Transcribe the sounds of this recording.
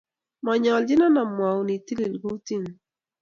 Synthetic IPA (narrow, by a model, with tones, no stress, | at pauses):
ma˨ɲɔ˨ld͡ʒɪ˦na˦na˨mwa˨wni˨ti˦li˨lɡu˦ti˦˨n